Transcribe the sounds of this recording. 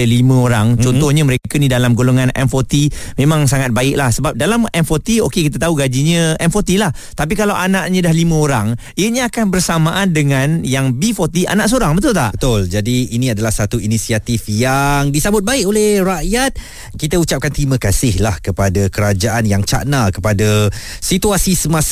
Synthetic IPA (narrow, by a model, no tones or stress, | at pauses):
əlimə̃oɾaŋt͡ʃɔnt̪ɔhɲəməɾekanidalamɡoloŋanɛ̰nfot̪i | mẽmãŋs̬aŋat̪̚baɪklahsəbap̚dalamɛnfot̪iokekit̪̬at̪auɡad͡ʒiɲə̃ɛnfɔt̪ilah | t̪ap̬ikalawʔanaʔɲədahlimə̃oɾaŋ | iɲə̃akanbərsamãʔandəŋãnjaŋbifot̪iʔa̰naʔs̬oɾaŋbət̪ʊlt̪a̰ʔbət̪ʊld͡ʒadiːnĩadalahsat̪uinisiat̪ifjaŋdisabʊt̪̚baɪkolɛhraʔjat̪̚ | kit̪əut͡ʃap̚kant̪ɾimə̃kasɪhlahkəpadakəɾad͡ʒaʔanjaŋt͡ʃa̰ʔnakəpada | sit̪uasisəmas